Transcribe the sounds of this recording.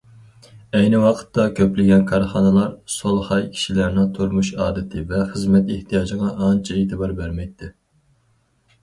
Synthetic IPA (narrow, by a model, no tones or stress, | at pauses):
ɛjnɪwɑqʰə̥t̪ːɑkʲʰøplɪɡʲɛnkʰɑɾχɑnɨlˠɑɾsolˠhɑjkʲʰi̥ʃilæɾnɪŋt̪ʰoɾmuʃɑːd̪ɪt̪ʰɪvɛχəzmɛt̪eht̪ʰijɑːd͡ʒəʁɑʔːnt͡ʃʰɛet̪ʰɪbɑɾbæɾmɛjt̪ʰːɪ